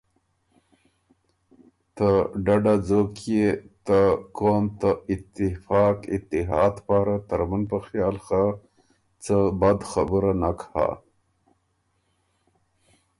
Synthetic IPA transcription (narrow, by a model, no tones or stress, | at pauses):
t̪əɖaɖad͡zoket̪akomt̪aɪt̪ɪfɑkɪt̪ːɪɦɑːd̪pɑɾat̪aɾmanpəxjɑːlxa | t͡səbad̪xabəɾanakha̰